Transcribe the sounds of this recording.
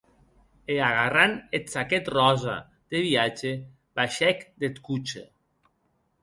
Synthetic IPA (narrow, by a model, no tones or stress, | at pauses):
eaɣaranet̪saket̪rɔza̰ | d̪̥eβiat͡ʃe | baʃɛkd̪et̪kut͡ʃḛ